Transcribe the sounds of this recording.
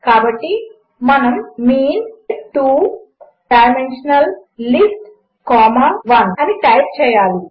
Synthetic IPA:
kaːbɐʈːi | mɐnɐmːiːnʈuː | ʈaːɾmenʂɐnɐllisʈ | kaːmaːʋɐnɐniʈɐjp̚t͡ʃɛːjaːli

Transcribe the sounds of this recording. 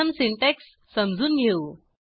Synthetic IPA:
əmsiɳʈeksːəmd͡zʱuːnɡʱeu

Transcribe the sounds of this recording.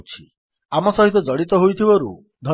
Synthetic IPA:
t͡ʃʰi | amɔsɔɦit̪̬ɔd͡ʒɔɽit̪ɔɦujt̪ʰibɔɾṵ | d̪ʱɔ

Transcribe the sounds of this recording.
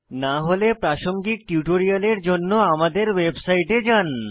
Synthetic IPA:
naɦolepɾaʃoŋɡik̚ʈjuʈoɾialeɾd͡ʑonːoamad̪eɾwebsajʈed͡ʑan

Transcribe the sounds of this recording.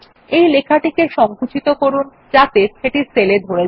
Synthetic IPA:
ejlekʰaʈikeʃɔŋkut͡ɕʰit̪okoɾun | t͡ɕat̪eʃeʈiɾseled̪ʱoɾe

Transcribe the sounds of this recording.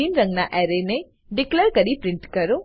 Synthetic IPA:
inɾəŋɡnaʔɛɾene | ɖikleɾkəɾipɾɪɳʈkəɾõ

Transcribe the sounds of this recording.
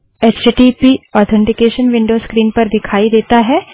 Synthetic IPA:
et͡ʃʈipiɔːɾt̪ʰɛ̃ɳʈɪkeːʃənʋɪ̃ɳɖoːskɾiːnpɐɾd̪ɪkʰaːid̪eːt̪aɦɛː

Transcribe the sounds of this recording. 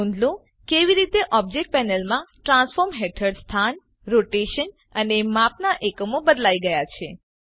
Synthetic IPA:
ũnd̪lũ | keʋiɾit̪eʔɔb̚d͡ʒek̚ʈ̚pɛnəlmãʈɾãnsfɔɾmɦeʈʰəɽst̪ʰan | ɾoʈeʃən | ənemapnaʔekəmobəd̪laiɡəjat͡ʃʰe

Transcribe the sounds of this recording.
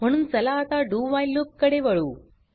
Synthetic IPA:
mɐnunt͡sɐlaːt̪aːɖuːʋaːjlːukkːɐɽeʋɐɻu

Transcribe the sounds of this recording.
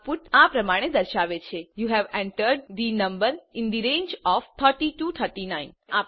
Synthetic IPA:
puʈapɾəmaɽ̃ed̪əɾʃaʋet͡ʃʰejuɦɛʋɛ̃ɳʈəɾɖd̪inə̃mbəɾɪ̃nd̪iɾẽnd͡ʒɔft̪ʰəɾʈiʈut̪ʰəɾʈinãɪ̃na

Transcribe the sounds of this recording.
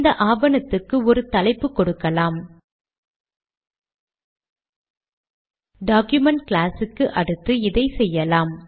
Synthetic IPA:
d̪ɐʔaːbɐnɐt̪ːɯkːɯɔɾɯt̪ɐlɐɪpːɯkɔɽɯkːɐlaːm | ɖaːkjʊmɐɳʈklaːsɯkːɯʔɐɽɯt̪ːɯɪðɐɪsɛjːɐlaːm

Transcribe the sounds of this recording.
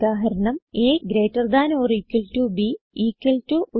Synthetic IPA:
aːɦɐɾɐɳɐmeːɡɾeːtːɐrd̪aːnoːriːkːwɐltubiiːkːɐltuʔu

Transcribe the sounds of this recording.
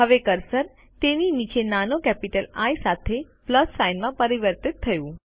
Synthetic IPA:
ɦəʋekəɾsəɾ | t̪eninit͡ʃenanokɛpiʈəlajsat̪ʰe | pləsːajnmãpəɾiʋəɾt̪ɪt̪ʰːəjũ

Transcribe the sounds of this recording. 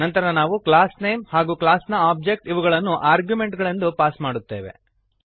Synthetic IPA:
ɐnt̪ɐɾɐnaːʋukɭaːsnejmhaːɡuːkɭaːsnɐaːb̚d͡ʒe̞k̚ʈiʋuɡɐɭɐnːuʔaːɾɡjume̞ɳʈɡɐɭend̪upaːsmaːɽut̪ːe̞ːʋe̞̰

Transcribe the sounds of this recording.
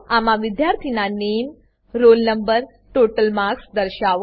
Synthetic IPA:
amãʋid̪jaɾt̪ʰinanem | ɾolnəmbəɾ | ʈoʈəlmaɾksd̪əɾʃaʋ

